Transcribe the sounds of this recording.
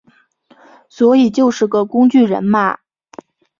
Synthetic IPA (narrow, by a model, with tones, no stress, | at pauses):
swɔ˧˥i˨˩t͡ɕjo˥˧ʊʂɻ̩˥˩ɡə˨˩kʊ˥ŋt͡ɕy˥˩ɻə̰˧˥nma̰˥˩